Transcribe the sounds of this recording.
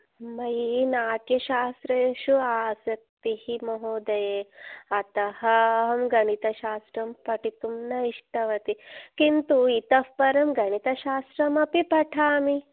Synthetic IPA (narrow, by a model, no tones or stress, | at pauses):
mɐjnaːʈjɐʃaːst̪ɾeʃuaːsɐk̚t̪ihimoɦoːd̪ɐjeːɐt̪ɐhɐɦɐmɡɐɳit̪ɐʃaːst̪ɾɐmpɐʈit̪umnɐiʂʈɐʋɐt̪ikint̪uit̪ɐfpɐɾɐmɡɐɳit̪ɐʃaːst̪ɾɐmɐpipɐʈʰaːmi